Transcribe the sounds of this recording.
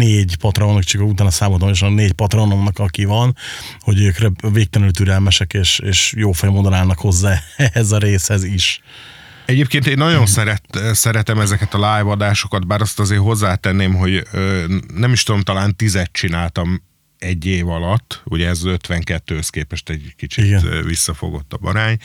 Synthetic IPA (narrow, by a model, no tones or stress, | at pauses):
neːɟpɒt̪rɔomnɔkt͡ʃikut̪aːnɒsaːmot̪omoʃnneːɟpɒt̪roonomnɒkɒkivɒnho̞ɟøːkrɛveːk̚t̪ɛnylt̪yɾɛlmɛʃɛkeːʃeːʃjoːfɛjɔmond̪onaːlnɒkho̞zːaːɛhɛzɒɾeːshɛziʃ | ɛɟeːp̚keːnt̪eːnːɒɟo̞nsɛɾɛt̪sɛɾɛt̪ɛmɛzɛkɛt̪ɒlaːjvɒd̪aːʃo̞kɒt̪̚baːɾɒst̪ɒzeːɦo̞zːaːt̪ɛnːeːmɦo̞ɟøːnɛmiʃt̪ud̪o̞mt̪ɒlaːnt̪izɛt̪t͡ʃinaːlt̪ɒm | ɛɟːeːvɒlɒt̪ːuɟɛɛzøt̪ʋɛŋkɛt̪ːøːskeːpɛʃt̪ɛɟkit͡ʃiiɡɛvisːɒfo̰ɡo̞̰t̪ːɒbɒ̰ɾaːɲ